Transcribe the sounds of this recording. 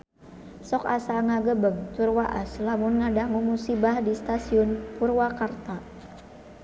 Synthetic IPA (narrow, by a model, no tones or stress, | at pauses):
sɔkasaŋaɡəbəŋt̪urwaʔaslamʊnŋadaŋumusibahdist̪asiʊnpurwakart̪a